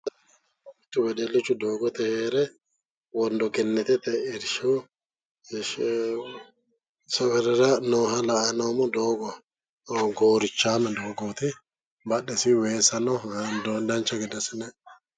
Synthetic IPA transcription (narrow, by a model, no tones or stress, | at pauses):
t̪ːʊwɛd̪ɛlːɪt͡ʃːʊd̪oːɡɔt̪ɛheːɾɛ | wɔnd̪ɔɡɛnːɛt̪ɛt̪ɛɪɾʃɔ | sɔwɛɾɛɾɐnoːɦɐlɐʔɐnoːmɔd̪oːɡɔ | ɡoːɾɪt͡ʃːaːmɛd̪oːɡoːt̪ɪ | bɐɗːɛsɪweːsɐnɔd̪od̪ɐnt͡ʃːɐɡɛd̪ɐsɪnɛ